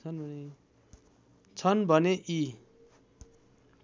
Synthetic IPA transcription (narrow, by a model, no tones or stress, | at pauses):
ʌnbʱʌne | t͡sʰʌnbʱʌneʔi